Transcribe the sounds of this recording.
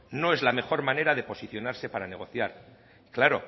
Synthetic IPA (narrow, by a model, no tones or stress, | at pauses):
no̞ezlame̞xo̞ɾmane̞ɾaðe̞po̞siθjo̞naɾse̞paɾane̞ɣ̞o̞θjaɾ | klaɾo̞̰